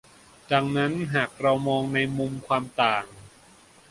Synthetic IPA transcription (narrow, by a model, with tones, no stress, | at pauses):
t͡ɕa˨˧˩ŋna˦˥nɦaː˨˩k̚ɾa˧wmɔː˧ŋna˧jmu˧mkʰwaː˧mt̪aː˨˩ŋ